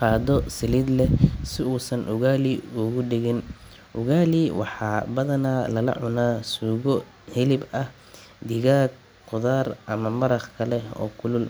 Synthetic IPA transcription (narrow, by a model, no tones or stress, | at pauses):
qɑːd̪ɔsɪliːd̪lɛsɪuːsɐnʔʊɣaːliʊɣʊɖɪɣɪn | ʔʊɣaːliwɑ̰ħɑːbɐðɐnaːlɐlɐ̰ʕʊnaːsuːɣɔ | hɪlɪbɐh | d̪ɪɣaːɡ̚ | qʊðaːrʔɐmɐmɐɾɐχkʰɐlɛɔ̰ːkʰʊlʊl